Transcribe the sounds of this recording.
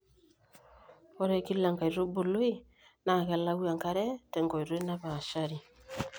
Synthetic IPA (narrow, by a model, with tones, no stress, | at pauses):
ɔ˦ɾɛ˨ki˦la˨ŋɡa˨i˨ɾo˦bo˨lo˦e˦ | na˨ɣɛ˨la˦ɣwa˨ŋka˨ɾɛ˦tɛ˨ŋɡɔ˨i˨ɾo˦e˦na˦βa˨ʃa˦ɾi˨